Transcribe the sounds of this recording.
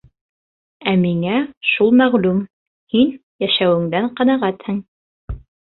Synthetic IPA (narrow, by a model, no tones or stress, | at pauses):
æmiŋæʃulˠmæʁlʉm | hinjæʃæwɘ̆ŋd̪æɴqɑnɑʁæt̪hɘŋ